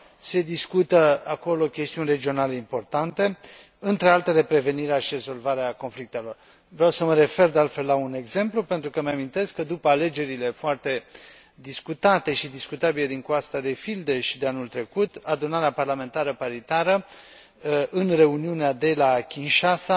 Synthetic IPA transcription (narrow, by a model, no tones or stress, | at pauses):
se̞d̪iskut̪əako̞lo̞kʲest̪iunʲre̞d͡ʒio̞nale̞impo̞rt̪ant̪e̞ | ɨnt̪ɾe̞alt̪e̞le̞pɾe̞ve̞niɾeaʃire̞zo̞lvaɾeako̞nflik̚t̪e̞lo̞r | vɾeawsəməɾe̞fe̞rd̪ealt̪fe̞lːaune̞ɡze̞mplupe̞nt̪ɾukəmamint̪e̞skːəd̪upəale̞d͡ʒe̞ɾile̞foart̪e̞ | d̪iskut̪at̪e̞ʃid̪iskut̪abile̞d̪iŋkwast̪ad̪e̞fild̪eʃid̪e̞anult̪ɾe̞kut̪ad̪unaɾeaparlame̞nt̪aɾəpaɾit̪aɾə | ʔɨnre̞uniunead̪e̞lakʲinʃasa